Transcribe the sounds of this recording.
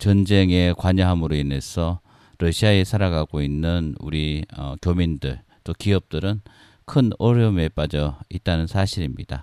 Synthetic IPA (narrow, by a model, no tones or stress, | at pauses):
t͡ɕʌnd͡ʑe̞ŋe̞kwaɲaɦamɯɾoine̞sʰʌ | ɾʌɕʰiae̞sʰaɾaɡaɡoinːɯnṵɾiʌkjomindɯɭ | t͈okiʌp̚t͈ɯɾɯn | kʰɯnʌɾjʌme̞p͈ad͡ʑʌit̚t͈anɯnsʰaɕʰiɾimɲid̥a